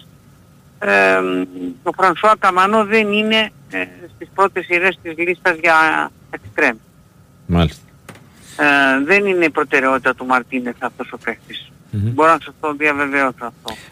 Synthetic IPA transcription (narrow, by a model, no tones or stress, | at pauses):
e | o̞fɾɐnsoɐkɐmɐnoðe̞nine̞ | st̪ispɾo̞t̪isiɾe̞st̪izlist̪ɐzʝɐ | ekst̪ɾe̞mis | malist̪e | ðe̞nineipɾo̞t̪e̞ɾe̞o̞t̪it̪ɐt̪umɐɾt̪ine̞fɐft̪o̞so̞pe̞xtis | bo̞ɾonɐsɐst̪oðiɐve̞ve̞osoɐft̪o̞